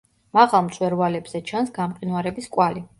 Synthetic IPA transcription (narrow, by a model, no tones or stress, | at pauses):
maʁamt̪sʼwɛɾvalɛbz̥ɛt͡ʃʰansɡamqʼinwaɾɛbiskʼwali